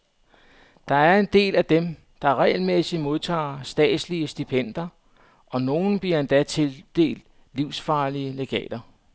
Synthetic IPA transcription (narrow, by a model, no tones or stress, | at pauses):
d̥ɑ̈æɐe̝nd̥e̝̰ːlæd̥em | d̥ɑ̈ʁɛ̰ːɪlmesi̥mo̝ð̞ˠt͡sʰɑ̰̈ːsd̥ɛ̰ːd̥sliəsd̥ipʰen̰d̥ɐ | ʔɒ̽no̝ːn̩b̥liɐend̥æt͡sʰe̝ld̥e̝̰ːld̥ | liʊsfɑ̈ːliəle̝ɡ̥ɛ̰ːd̥ɐ